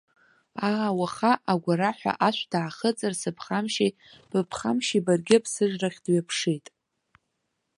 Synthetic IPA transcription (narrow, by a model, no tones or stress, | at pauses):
aːwaχaʔaɡʷaɾaħʷa̰ʔaʃʷd̥aːχət͡sʼɨrsɨpʰχamʃi | b̥ɨpʰχamʃibarɡʲɪpʰsɨʐraχʲdɥapʰʂejtʼ